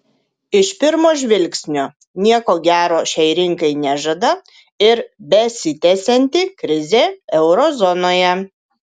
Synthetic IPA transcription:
ɪʃpʲɪɾmoːʒʲʋʲɪlʲksʲnʲo | nʲiɛkoːɡʲæːɾoːʃʲɛɪɾʲɪŋkɐɪnʲæʒɐd̪ɐ | ɪɾbʲɛsʲɪt̪ʲɛsʲɛnʲt̪ʲɪkɾʲɪzʲeːɛʊɾɔzɔnoːjɛ

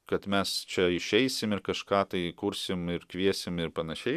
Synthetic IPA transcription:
kɐt̪mʲɛst͡ʃʲɛɪʃʲɛɪsʲɪmɪɾkɐʃkɑːt̪ɐɪkʊɾʲsʲɪmɪɾkʋʲiɛsʲɪmɪɾpɐnɐʃʲɛɪ

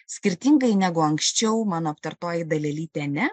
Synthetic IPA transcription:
sʲkʲɪɾʲt̪ʲiːŋɡɐɪnʲæːɡʊɐŋksʲt͡ʃʲɛʊmɑːnoːɐpt̪ɐɾt̪oːjɪd̪ɐlʲɛlʲiːt̪ʲɛnʲɛ

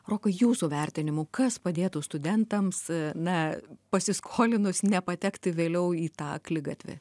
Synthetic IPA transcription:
roːkɐjuːsuʋʲɛrʲt̪ʲɪnʲɪmʊkɐspɐd̪ʲeːt̪ʊst̪ʊd̪ʲɛnt̪ɐmsnɐpɐsʲɪskʰoːlʲɪnʊsnʲɛpɐt̪ʲɛkt̪ʲɪʋʲeːlʲɛʊiːt̪ɑːklʲɪɡɐt̪ʲʋʲɪ̰

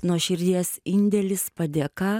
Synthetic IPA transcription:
nuɔʃʲɪɾʲd̪ʲiɛsɪnʲd̪ʲɛlʲɪspɐd̪ʲeɛkɑː

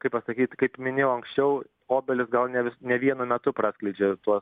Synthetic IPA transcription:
kɐɪppɐsɐkʲiːt̪ʲkɐɪpmʲɪnʲeɪjɐŋksʲt͡ʃʲɛʊ | oːbʲɛlʲɪsɡɐlˠnʲɛʋʲɪsnʲɛʋʲiɛnʊmʲɛt̪ʊpɾɑːsʲklʲɛɪd͡ʒʲet̪uɔs

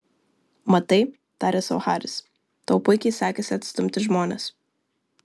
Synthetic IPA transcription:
mɐt̪ɐɪ | t̪ɑːɾʲɛsɐʊxɑːɾʲɪs | t̪ɐʊpʊɪkʲɛɪsɑːkʲeːsʲɪɐt̪st̪ʊmʲt̪ʲɪʒmoːnʲɛ̰s

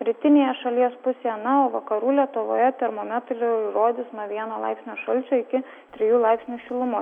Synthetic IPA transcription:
ɾʲiːt̪ʲɪnʲeːjɛʃɐlʲiɛspʊsʲeːjɛnɐoːʋɐkɐɾuːlʲiɛt̪ʊʋo̰ːjɛt̪ʲɛɾmoːmʲɛt̪ɾʲɪɪɾoːd̪ʲɪsnɐʋʲiɛnoːlˠɐɪpsʲnʲoːʃɐlʲt͡ʃʲoːɪkʲɪ | t̪ʲɾʲɪjuːlˠɪpsʲnʲuːʃʲɪlˠʊmʊ

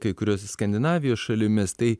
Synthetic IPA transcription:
kɐɪkʊɾʲoːsʲskɐnʲd̪ʲɪnɑːʋʲɪjoːsʃɐlʲɪmʲɪst̪ɐɪ

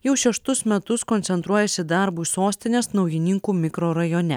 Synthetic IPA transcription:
jɛʊʃʲɛʃt̪ʊsmʲɛt̪ʊskɔnʲsʲɛnt̪ɾuɔjɛsʲɪd̪ɑɾbuːisoːsʲt̪ʲɪnʲeːsnɒʊjɪnʲɪŋkuːmʲɪkɾoːɾɐjoːnʲɛ̰

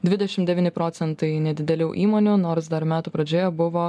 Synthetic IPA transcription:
d̪ʲʋʲɪd̪ʲɛʃʲɪmd̪ʲɛʋʲiːnʲɪpɾoːt̪sʲɛnt̪ɐɪnʲɛd̪ʲɪd̪ʲɛlʲɛʊʔiːmoːnʲunoːɾsd̪ɐɾmʲæːt̪upɾɐd͡ʒʲoːjɛbʊʋoː

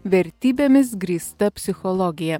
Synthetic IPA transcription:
ʋʲɛɾʲt̪ʲiːbʲemʲɪs̬ɡɾʲiːst̪ɐpʲsʲɪxɔlˠɔɡʲɪjɛ

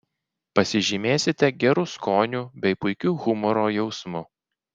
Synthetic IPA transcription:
pɐsʲɪʒʲɪmʲeːsʲɪt̪ʲɛɡʲɛɾʊskoːnʲuːbʲɛɪpʊɪkʲuːɣʊmɔɾoːjɛʊsmʊ

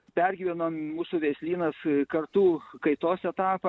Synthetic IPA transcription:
pʲæɾʲɡʲiːʋʲɛnommuːsuʋʲesʲlʲiːnɐskɐrt̪uːkɐɪt̪oːsɛt̪ɑːpɐ

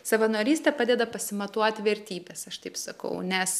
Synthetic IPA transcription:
sɐʋɐnoːɾʲiːsʲt̪ʲɛpɑːd̪ʲɛd̪ɐpɐsʲɪmɐt̪uɔt̪ʲʋʲɛɾʲt̪ʲiːbʲeːsɐʃt̪ɐɪpsɐkɐ̰ʊnʲɛs

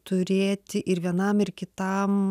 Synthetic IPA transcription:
t̪ʊɾʲeːt̪ʲɪʔɪɾʋʲiɛnɐmɪɾkʲɪt̪ɐm

